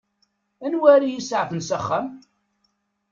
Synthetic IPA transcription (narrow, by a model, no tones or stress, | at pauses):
ænwæɾijisʕfənsæχːæm